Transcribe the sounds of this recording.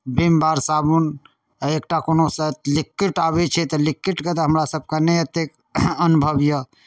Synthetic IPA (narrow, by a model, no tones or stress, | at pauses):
bimbaɾsabun | ek̚ʈakonosət̪likːiʈabet͡ʃʰɛt̪ɔlikːiʈket̪ɔɦəmɾasəb̚kaneət̪ek | ənubʱəbjə